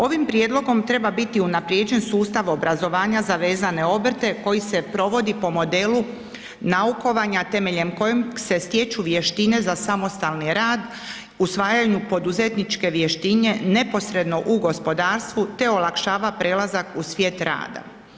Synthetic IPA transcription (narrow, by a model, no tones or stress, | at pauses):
o̞ʋimpɾje̞d̪lo̞ɡo̞mt̪ɾe̞babit̪iunapɾjed͡ʑe̞nsuːst̪aʋo̞bɾazo̞ʋaːɲazaʋe̞ːzane̞o̞br̩t̪e̞ko̞jise̞pɾo̞ʋo̞d̪ipo̞mo̞d̪e̞ːlu | nauko̞ʋaɲat̪e̞me̞ʎe̞mko̞jomse̞st̪je̞t͡ʃuʋje̞ʃt̪ine̞zasamo̞st̪alˠniɾaːd̪ | usʋaːjaɲupo̞d̪uze̞t̪nit͡ʃke̞ʋjeʃt̪iɲe̞ne̞po̞sɾe̞d̪no̞ʔuɡo̞spo̞d̪aːɾst̪ʋut̪e̞o̞lˠakʃaːʋapɾe̞ːlˠazakusʋje̞ːt̪ɾa̰ːd̪a̰